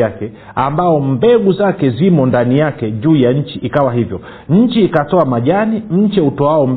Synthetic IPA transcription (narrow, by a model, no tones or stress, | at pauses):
akɛ | ambaɔmbɛɡuzakɛzimɔndanijakɛʄuːjaɲ̩t͡ʃiʔikawaɦivjɔ | ɲ̩t͡ʃiːkatɔamaʄanim̩t͡ʃɛutɔaɔm